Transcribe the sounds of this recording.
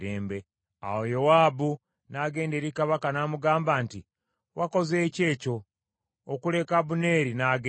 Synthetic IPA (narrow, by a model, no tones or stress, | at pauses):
ɾeːmbe̞ | a̰wo̞jowaːbu | naɡe̞ːnde̞ɾikaβakanaːmuɡaːmbanti | wʔako̞ze̞ːce̞ːco̞ː | kule̞kaβune̞ːɾinaːɡ